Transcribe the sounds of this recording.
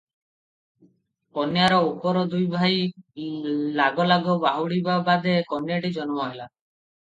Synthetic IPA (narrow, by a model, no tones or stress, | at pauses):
kɔnjaɾɔupɔɾɔd̪ujbʱaj | laɡɔlaɡɔbaɦuɽibabad̪ekɔnjaʈid͡ʒɔnɔmɔɦela